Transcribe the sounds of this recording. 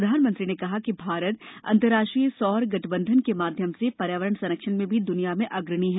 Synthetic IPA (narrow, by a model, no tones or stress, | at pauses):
ɾd̪ʱaːnmə̃nt̪ɾinekɐɦakibʱaːɾət̪̚ɐ̰̃nt̪əɾaːʃʈɾijsɔːɾɡɐʈʰbə̃nd̪ʱənkemaːd̪ʱjəmsepɐɾjaːʋəɾəɳsɐnəkʃənmẽbʱid̪ʊnijamẽʔɐɡɾəɽ̃iɦɛ̃ː